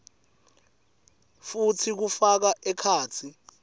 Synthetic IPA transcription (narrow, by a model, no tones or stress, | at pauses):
futʰik̬ufak̬aʔɛkʰaːt͡sʰi